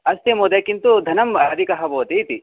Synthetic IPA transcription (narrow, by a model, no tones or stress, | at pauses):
ɐst̪emoːd̪eːkint̪ud̪ʱɐnɐmɐd̪ʱikɐɦɐboːt̪it̪i